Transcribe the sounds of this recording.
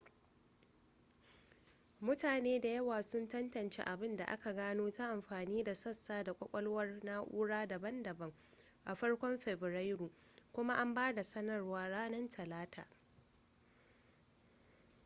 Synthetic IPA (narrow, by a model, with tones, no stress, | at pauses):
mʊ˦taː˨neː˦da˨jɐ˦waː˨sʊ˦ntɐ˦ntɐ˨nt͡ʃḛ˦ʔa˨bɪ˦nda̰˨ʔa̰˦ka˨ɡaː˦noː˦ta˦ʔa˨mɸaː˨niː˦da˨sɐ˦sːaː˦da˨kʷʼɐ˦kʷʼɐ˦lwɐ˦rnaː˦ʔʷṵː˦ɽaː˦da˨bɐ˦ndɐ˨bɐ˦ŋ | ʔa˨ɸɐ˦ɽkʷɔ˦mɸɛ˨bɛ˨ɾa˦jɾuː˨ | kʷʊ˦ma˦ʔa˦mbaː˦da˨sɐ˦nɐ˨rwaː˦ɽaː˦nɐ˦ntʰɐ˨laː˦ta̰ː˨